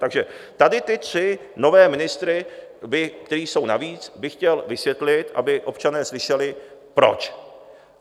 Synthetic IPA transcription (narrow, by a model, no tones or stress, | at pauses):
t̪aɡʒɛt̪adɪt̪ɪt̪r̝̥ɪ | no̞vɛːmɪnɪst̪ɾɪbɪkt̪ɛɾiːso̞wnaviːt͡sbɪxcɛlvɪsjɛt̪lɪt̪ʔa̰bɪʔo̞pt͡ʃanɛːslɪʃɛlɪpɾo̞̰t͡ʃ